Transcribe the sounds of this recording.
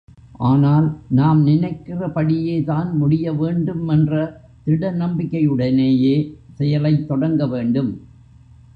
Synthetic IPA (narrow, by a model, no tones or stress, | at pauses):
ʔaːnaːlnaːmnɪnɐɪkːɪrɐpɐɽɪjeːt̪aːnmʊɽɪjɐʋeːɳɖɯmɛndrɐ | t̪ɪɽɐnɐmbɪkːɐjɯɽɐneːjeːsɛjɐlɐɪt̪ːɔɽɐŋɡɐʋeːɳɖɯm